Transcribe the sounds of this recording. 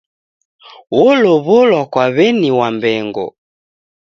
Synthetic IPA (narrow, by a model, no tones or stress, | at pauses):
wɔlɔβɔlwakwaβɛniwambɛŋɡɔ̰